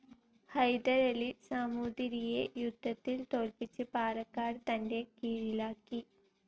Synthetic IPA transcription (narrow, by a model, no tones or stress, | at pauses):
hɐjd̪ɐɾelisamuːd̪iɾijejud̪ʱːɐt̪ːilt̪oːlpit͡ɕːɨpaːɾɐkːaːɖt̪ɐnde̞kiːɻilaːkːi